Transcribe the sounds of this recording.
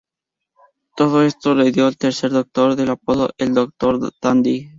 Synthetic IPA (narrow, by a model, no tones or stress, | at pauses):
t̪oðoest̪oleðjoelt̪eɾseɾðok̚t̪oɾðelapoðo̰ʔeld̪ok̚t̪oɾd̪̥and̪i